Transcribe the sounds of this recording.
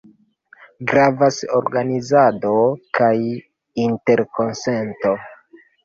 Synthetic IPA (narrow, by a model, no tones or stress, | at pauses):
ɡɾavaso̰ɾɡanizado̞kaj | inte̞ɾko̞nse̞nto̞